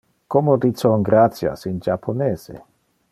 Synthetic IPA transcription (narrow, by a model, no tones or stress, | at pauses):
komod̪it̪soŋɡɾat̪sja̰sind͡ʒapʰoneːz̥ḛ